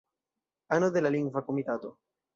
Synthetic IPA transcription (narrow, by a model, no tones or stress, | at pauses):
anod̪elaliŋɡvakomit̪at̪o